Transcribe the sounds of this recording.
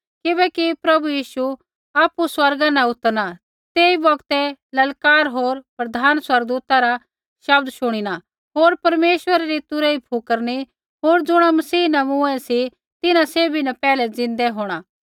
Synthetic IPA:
kɪbɛkipɾɐbujiːʃu | aːpːuswɐɾɡãnɛ̃ʊt̪əɾna | t̪eːibɐɡt̪ɛlɐlkaːɾɦoːɾpɾɐd̪ʱaːnswɐɾɡ̚d̪uːt̪aɾa | ʃɐb̚d̪ʃʊɽ̃ina | ɦoːɾpɐɾmeːʃwəɾaɾit̪ʊɾɛipʰukəɾni | ɦoːɾd͡zʊɽ̃amɐsiːnɛmʊ̃ɛ̃si | t̪ɪnãseːbʱinɛpɛːlɛd͡zɪ̃nd̪ɛɦoːɽ̃aː

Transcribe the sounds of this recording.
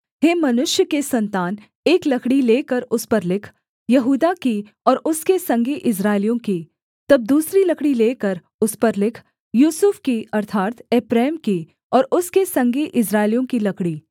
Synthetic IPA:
ɦeːmɐnʊʃjəkesɐ̃nt̪aːn | eːklɐkɽileːkəɾʊspɐɾlɪkʰ | jɐɦuːd̪aki | ɔːɾʊskesɐ̃ŋɡeʔɪs̬ɾaːɪlijõki | t̪ɐb̚d̪uːsɾilɐkɽileːkəɾ | ʊspɐɾlɪkʰ | juːsʊfkiɐɾt̪ʰaːɾt̪eːpɾeːmki | ɔːɾʊskesɐ̃ŋɡeʔɪsɾaːɪlijõkilɐkɽiː

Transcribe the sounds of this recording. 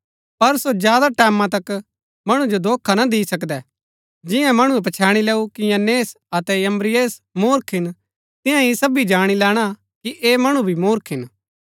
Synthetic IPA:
pɐɾsod͡ʒjaːd̪aʈɛːmãt̪ɐk | mɐɽ̃ũd͡ʒod̪oːkʰːanɐd̪ɪːsɐkd̪ɛ | d͡ʒɪjãmɐɽ̃uɛp̬ɐt͡ʃʰaːɽ̃ilɛːukijɐneːs | ɐt̪ɛjɐmɾɪjeːsmoːɾkʰɪn | t̪ɪjãisɐbid͡ʒaːɽ̃ilɛːɽ̃a | kiʔeːmɐɽ̃ubʱimoːɾkʰɪn

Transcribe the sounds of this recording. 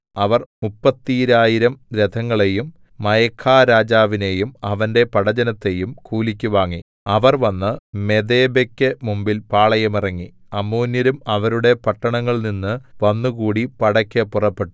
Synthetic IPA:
ɐʋɐrmupːɐt̪ːiɾaːjiɾɐmɾed̪ʰʱɐŋːɐɭe̞jumː | ɐjɐkʰːaːɾaːd͡ʑaːʋine̞jumɐʋɐnde̞pɐɽɐd͡ʑɐnɐt̪ːe̞jumkuːlikʲːuʋaːŋːi | ɐʋɐrʋɐnːɨme̞d̪e̞ːbekʲːɨmumbilpaːɭɐjɐmirɐŋːi | ɐmːuːnjɐɾumɐʋɐɾuɽe̞pɐʈːɐɳɐŋːɐɭninːɨʋɐnːukuːɽipɐɽɐkʲːɐpurɐpːe̞ʈːu̥

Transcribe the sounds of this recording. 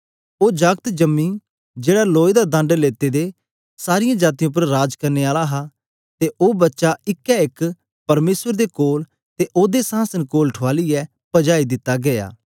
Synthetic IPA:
oːd͡ʒəɡ̚t̪d͡ʒəmːiː | d͡ʒeːɽaloːjd̪ad̪ɐ̃ɳɖleːt̪ed̪e | saːɾɪjãːd͡ʒaːt̪̬ijõːp̬əɾːaːd͡ʒkɐɾneːaːlaɦa | t̪eʔoːbɐtːʃaɪkːɛɪk | pɐɾmeːsəɾd̪ekoːl | t̪eʔoːd̪esãːsənkoːlʈʰʊaːlɪɛ | pɐd͡ʒaːid̪ɪt̪ːaɡɐja̰ː

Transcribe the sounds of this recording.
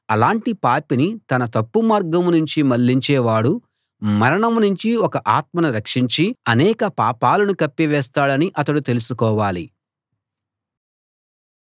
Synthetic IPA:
ɐ̰laːɳʈipaːpinit̪ɐnɐt̪ɐpːumaːɾɡɐmnuɲt͡ʃimɐlːiɲt͡ʃɛːʋaːɽu | mɐɾɐɳɐmnuɲt͡ʃiɔkɐʔaːt̪̚mɐnɐɾɐkʂiɲt͡ʃiɐnɛːkɐpaːpaːlɐnukɐpːiʋɛːst̪aːɽɐniʔɐt̪ɐɽut̪e̞lusukɔːʋaːli

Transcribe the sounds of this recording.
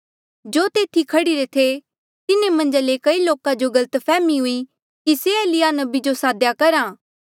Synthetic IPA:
d͡ʒoːt̪eːt̪ʰikʰɐɽiɾet̪ʰe | t̪ɪnemɐ̃nd͡ʒalekɐiloːkãd͡ʒoɡɐlət̪pʰɛːmiɦʊi | kiseeːlɪjanɐbid͡ʒosaːd̪jakɐɾãː

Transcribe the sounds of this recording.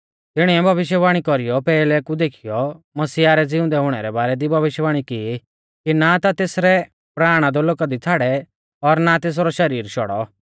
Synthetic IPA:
t̪ɪɽ̃iɛbʱɐʋɪʃ̬jbaːɽ̃ikɔɾijɔpɛːlɛkud̪eːkʰijɔ | mɐsiːaɾɛd͡zɪʊ̃nd̪ɛɦʊɽ̃ɛɾɛbaːɾɛd̪ibʱɐʋɪʃjəbaːɽ̃ikɪi | kinat̪at̪eːsɾɛ | pɾaːɽ̃ad̪ɔloːkad̪it͡sʰaːɽɛ | ɔɾnat̪eːs̬ɾɔʃɐɾiːɾʃɔ̰ɽɔ̰

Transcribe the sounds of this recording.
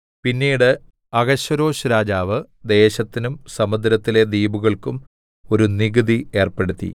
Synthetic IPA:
pinːiːɽɨ | ɐɣɐɕɐɾo̞ːɕuɾaːd͡ʑaːʋɨ | d̪e̞ːɕɐt̪ːinumsɐmɐd̪ɾɐt̪ːile̞d̪iːbuɣɐɭkum | o̞ɾuniɣɨd̪ie̞ːrpe̞ɽut̪ːḭ

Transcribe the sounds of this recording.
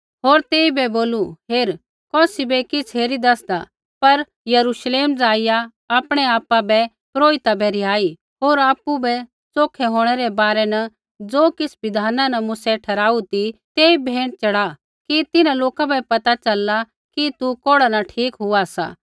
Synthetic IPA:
ɦoːɾt̪eːibɛboːluɦeːɾ | kɔːsibɛkɪsʰɦeːɾid̪ɐsd̪a | pɐɾ | jɐɾuʃleːmd͡zaːɪja | aːpɽ̃ɛaːpãbɛ | pɾoːɪt̪abɛɾɪjaːi | ɦoːɾaːpːubɛ | t͡soːkʰɛɦoːɽ̃ɛɾɛbaːɾɛnɐ | d͡zoːkɪsbɪd̪ʱaːnãnɐmʊsɛʈʰɐɾaːut̪it̪eːibʱeːɽ̃t͡ʃɐɽa | kit̪ɪnãloːkabɛpɐt̪at͡ʃɐla | kit̪ukoːɽanaʈʰiːkɦʊasa̰ː

